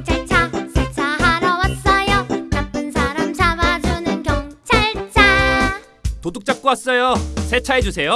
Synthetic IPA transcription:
t͡ɕʰaɭt͡ɕʰasʰet͡ɕʰaɦaɾʌwat̚s͈ʌjonap͈ɯnsʰaɾamt͡ɕʰabad͡ʑunɯnkjʌŋt͡ɕʰaɭt͡ɕʰa | toduk̚t͡ɕ͈ap̚k͈oas͈ʌjosʰet͡ɕʰaɦed͡ʑusʰe̞jo

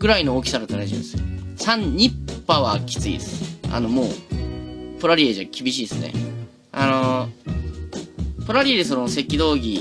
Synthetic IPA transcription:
ɡɯ̟ɾaino̞oːkʲi̥saɾat̪aɾaʑḭ̃ḭ̃d̪essãɲ̟ɲ̟ipːaβakʲi̥t͡sɨḭd̪esɨ̥a̰no̞mo̞ː | pɯɾaɾʲieʑakʲibʲiɕiːesɨne̞̰ | ano̞ | pɯɾaɾʲied̪es̬nose̞kʲːid̪o̞ːɡʲi

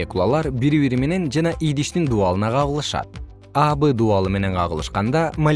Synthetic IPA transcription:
ekulˠa̰lˠɑɾbiɾiβiɾime̞ne̞nd͡ʒɑnɑʔijd̪iʃt̪ind̪uɑlˠɯnɑqʰɑʁɯlˠɯʃɑ̰t̪̚ | ɑbɨd̪uɑlˠɯme̞ne̞ɴqʰɑʁəlˠɯʃqɑnd̪ɑmɐ

